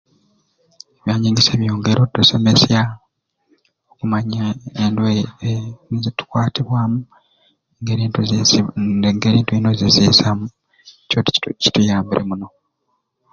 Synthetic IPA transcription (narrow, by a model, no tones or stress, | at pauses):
eβjaːɲiːŋɡise̞ːβjoːŋɡe̞ɾʔodːosemesja | okumaɲaendwe | zitu̥kwaːtiβwaːmu | ŋɡeɾiːntu | ŋɡeːɾiːntuino̞ziziːsamu | cotici̥tujaːmbiɾʔḛmuno̞